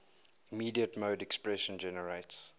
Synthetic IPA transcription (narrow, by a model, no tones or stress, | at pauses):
imiːdiətmoːdɛkspɹɛʃə̃nd͡ʒɛnəɹets